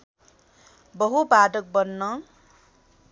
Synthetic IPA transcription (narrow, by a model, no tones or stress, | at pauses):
bʌɦupaʈʌk̚bʌnːʌ